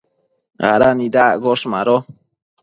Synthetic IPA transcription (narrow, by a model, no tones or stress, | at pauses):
ɣa̰ɾanid̪aɡɔʃma̰ɾɔ